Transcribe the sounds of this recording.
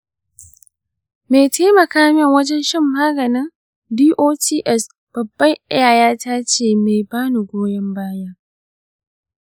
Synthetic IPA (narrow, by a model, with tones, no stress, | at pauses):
me˨jta˦mɐ˨kaː˦mɪ˦˨ŋwɐ˦d͡ʒɛ˦nʃɪ˦mːaː˦ɡɐ˨nɪ˦ŋ | diː˦ʔoː˦tiː˦ʔɛ˦˨s | b̥ɐ˨bːɐ˦ŋʔɪ̰˦jaː˨jaː˦taː˦t͡ʃeː˨me˨jbaː˦nu˨ɡʷoː˦jɐ˦mbaː˦ja˦ʔ